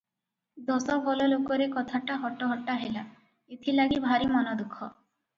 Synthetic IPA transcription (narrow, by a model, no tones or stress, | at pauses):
d̪ɔsɔbɔlɔlokɔɾekɔt̪ʰaʈaɦɔʈɔɦɔʈaɦela | et̪ʰilaɡibʱaɾimɔnɔd̪ukʰɔ